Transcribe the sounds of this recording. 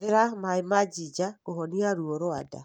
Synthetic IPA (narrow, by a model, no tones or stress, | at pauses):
ɪɾamaimad͡ʒid͡ʒakohɔniaɾuoɾoa̰da̰